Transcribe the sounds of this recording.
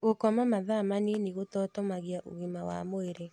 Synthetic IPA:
ɣokɔmamaðamaniniɣotɔtɔmaɣiaʔo̰ɣimawa̰moeɾe

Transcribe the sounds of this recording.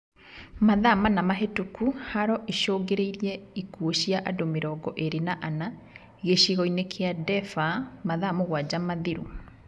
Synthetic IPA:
maðamanamaɦetukuhaɾɔʔeʃoːɡeɾeiɾiɛikuoɕiaʔadomeɾɔɡɔʔeɾenaʔana | ɣeʃiɣɔinekʰeadɛfamaðamoɣwad͡ʑamaðiɾu

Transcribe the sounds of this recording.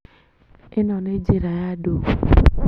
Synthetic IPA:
ɪnɔned͡ʒeɾajado

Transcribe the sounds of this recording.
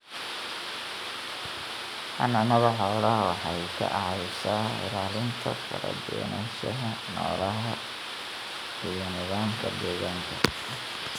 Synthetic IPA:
hɐnɐnɐβɐħɔːlɐwɑħɑjkʰɐ̰ʔɑʕɑjsaːɪ̰ɾaːlɪnt̪ʰɐ̰fɐɾɐ̰d̪ɔːnaːʃɐɦɐ | nɔːlɐɦɐ | ijɔnɪɣaːŋkʰɐd̪ɛːɣaːŋkʰɐ

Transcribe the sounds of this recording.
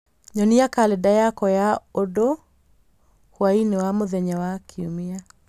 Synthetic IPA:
ɲɔniakaledajakɔjaodo | hwainewamoðɛɲɛwakʰiumia

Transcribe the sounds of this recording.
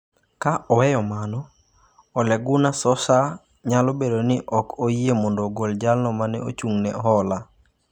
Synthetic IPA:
kaʔɔwɛjɔmanɔ | ɔlɛɡʊnasɔsa | ɲalɔbedonɪʔɔkʰoiemɔndoɡold͡ʒalnɔmanɛo̰t͡ʃuŋnɛɦɔla

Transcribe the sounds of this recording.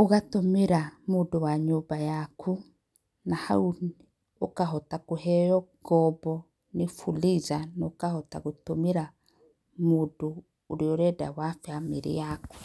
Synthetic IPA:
oɣatomiɾamudowaɲobajakʰu | naha̰un | okaɦɔtakohɛjɔ | ɡɔbɔ | nifulizanokahɔta̰ɣotomiɾa | mudoː | ɾioɾɛda̰wafjamḭɾḭjaku̥

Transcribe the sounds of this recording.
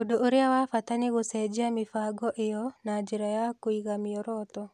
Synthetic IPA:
odoʔoɾeawafatanɪɣosɛd͡ʒiamɪfaɡɔʔɪjɔnad͡ʒiɾajakoiɣamɪɔɾɔt̪ɔ

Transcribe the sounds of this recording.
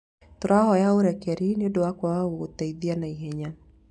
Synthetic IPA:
toɾahɔjaoɾɛkɛɾineodowakwaootaiðianaiɦɛɲa

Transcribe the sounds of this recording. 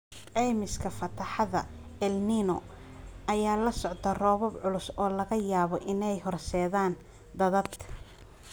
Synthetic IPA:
ʕɛjmɪskʰɐfɐt̪ʰɐħɑðɐ̰ | ɛlninɔ | ɐjaːlɐsɔʕt̪ʰɐrɔːβɔbʕʊlʊsɔːlɐɣɐjaːβɔʔɪnɛjhɔrsɛːðaːn | d̪ɐðɐd̪

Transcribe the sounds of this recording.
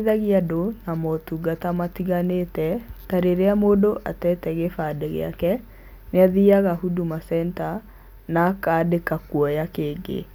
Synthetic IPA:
ðaɣiadonamɔtuɡatamatiɣanetɛtaɾeɾeamodoʔa̰tɛtɛɣefadɛɣḛa̰kɛ | neaðiaɣahudumasɛnta | nakadekakwɔjakeːɡḛ

